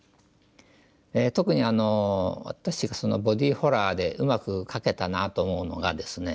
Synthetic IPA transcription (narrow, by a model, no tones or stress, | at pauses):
et̪o̞kɯ̟ɲ̟iano̞a̰t̪aɕiɡaso̞no̞̰bo̞d̪ʲiːho̞ɾaːd̪e̞ʔɯmakɯ̟kʰake̞t̪anat̪oːmo̞ɯno̞̰ɡa̰d̪e̞sɨne̞